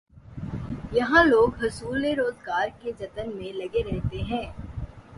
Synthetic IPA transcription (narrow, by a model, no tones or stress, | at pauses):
jɐɦãloːɡɦɐsuːlːeɾoːzɡaːɾked͡ʒɐt̪ənmẽlɐɡeɾɛɦt̪eɦɛ̃ː